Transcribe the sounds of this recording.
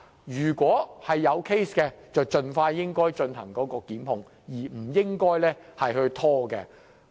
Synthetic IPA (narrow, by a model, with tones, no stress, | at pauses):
jyː˨˩kwɔː˨˥hɐ˨jːɐ˨˧wkʰe˥jskɛː˧t͡sɐ˨˩wt͡ʃɵ˧nfaː˧jjɪ˥ŋkɔː˥jt͡ʃɵ˧nhɐ̰˨˩ŋkɔː˨˥kɔː˧kiː˨˥mhʊ˧ŋ | jiː˨˩m̩˨˩jɪ˥ŋkɔː˥jlɛː˥hɐ˨jhɵ˧ɥt̪ʰɔː˥kɛ̰˧